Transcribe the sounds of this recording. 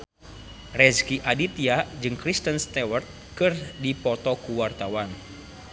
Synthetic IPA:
rɛskiʔadit̪iad͡ʒɨŋkɾist̪ənst̪ɛwərt̪̚ | kɨrdipɔt̪ɔkuwart̪awan

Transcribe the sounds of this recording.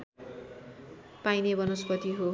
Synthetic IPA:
pajnebʌnospʌt̪iɦo

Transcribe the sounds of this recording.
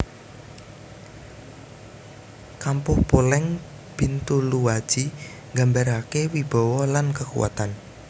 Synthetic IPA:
kampʊhpolɛŋ | b̥int̪uluwad̥ʒ̥i | ŋɡa̤mbaɾakewib̥ɔ̤wɔlankəkṵwa̰t̪an

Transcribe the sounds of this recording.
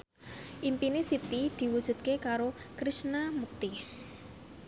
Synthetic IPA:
ʔimpinisit̪id̪̥i̤wud̥ʒ̥ṳt̪̚kekaɾokɾisnamuk̚t̪i

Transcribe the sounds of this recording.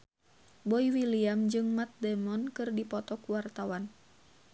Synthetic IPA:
bɔiwiliamd͡ʒɨŋmat̪̚dɛmɔnkɨrdipɔt̪ɔkuwart̪awan

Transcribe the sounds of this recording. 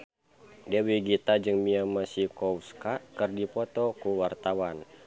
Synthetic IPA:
dɛwiɡit̪ad͡ʒɨŋmiamasikɔwskaʔkərdipɔt̪ɔkuwart̪awan

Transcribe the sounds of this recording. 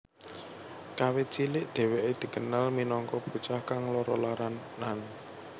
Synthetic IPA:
kawet͡ʃilɪʔd̪̥ɛ̤weʔed̪̥i̤ɡ̥ənalminɔŋkɔb̥ṳt͡ʃahkaŋlɔɾɔlaɾanːan

